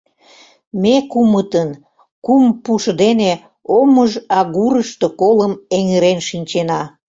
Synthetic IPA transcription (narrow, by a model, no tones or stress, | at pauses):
mekumət̪ən | kumpuʃd̪ene | oməʒɑɣuɾəʃt̪okoləmeŋeɾenʃinʲt͡ɕenɑ